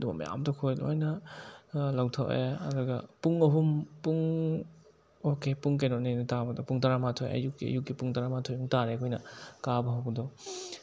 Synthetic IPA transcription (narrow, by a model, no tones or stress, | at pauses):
dubɐ̰mɐ̰ja̰mtɔkʰojlo̰jnɐ | lawtʰaʔeɐ̰duɡɐpuŋɐɦumpuŋ | okepuŋkajnɔnenɐtabɐdɔpuŋtaɾamatʰoj̰ɐ̰jukɡiɐ̰juk̚ɡipuŋtaɾamatʰojuŋtaɾekʰojnɐkabɐɦawɡɐdɔ